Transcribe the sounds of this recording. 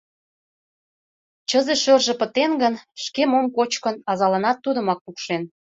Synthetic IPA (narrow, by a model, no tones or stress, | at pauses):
t͡ɕəzeʃørʒĕpə̆t̪enɡənʃkemomkot͡ɕkənɑzɑlɑnɑt̪ːud̪ə̆mɑk̚pukʃen